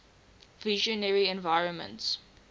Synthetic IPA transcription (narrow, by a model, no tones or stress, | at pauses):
vɪʒɔnɛɹiɛ̃nvaɪɹə̃nmə̰̃nts